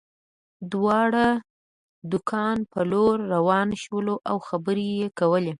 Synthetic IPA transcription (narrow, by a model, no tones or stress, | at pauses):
d̪wɑɽa | d̪ʊkʰɑnpəloɾːawɑnʃwəloʔawxabəɾejekawəle